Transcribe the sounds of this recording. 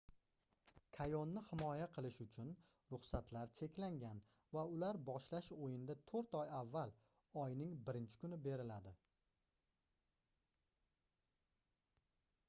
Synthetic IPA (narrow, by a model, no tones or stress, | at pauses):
kʰajonːɪhɪmɒjaqʰɨlˠɪʃʊt͡ʃʰʊn | ɾʊχsat̪laɾt͡ʃʰe̞kʲʰlaŋɡʲan | vaʊlaɾbɒʃlaʃojɪnd̪at̪ʰoɾt̪ɒjavːal | ɒjnɪŋbɪɾɪnt͡ʃʰɪ̥kʊnɪbe̞ɾɪlad̪ɪ